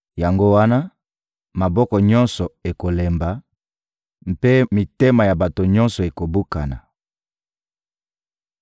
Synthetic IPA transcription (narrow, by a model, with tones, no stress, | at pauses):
ja˨ŋɡo˦wa˦na˦ | ma˨bɔ˦kɔ˨ɲɔ˦nsɔ˨e˨ko˨le˨mba˨ | m˨pe˦mi˨te˦ma˨ja˨ba˨to˨ɲɔ˦nsɔ˨e˨ko˨bu˦ka˨na̰˨